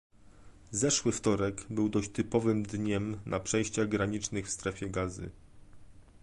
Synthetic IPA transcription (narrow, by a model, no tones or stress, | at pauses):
zɛʂwɘft̪ɔɾɛɡbɘwd̪ɔɕt̪ɘpɔvɘmd̪ɲɛmnʔapʂɛjɕt͡ɕaɣɡɾaɲit͡ʂnɘxfst̪ɾɛfʲjɛɡazɘ̰